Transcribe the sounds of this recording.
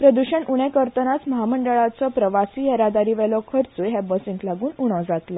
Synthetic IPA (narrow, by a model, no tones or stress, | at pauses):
pɾəd̪uɕənuɽ̃ekəɾt̪ənat͡sməɦaməɳɖəɭat͡sɔpɾəʋasiːɦeɾad̪aɾiːʋɛlɔkʰəɾt͡sujɦɛbəsĩŋɡlaɡuːnuɽ̃ɔ̃d͡zat̪la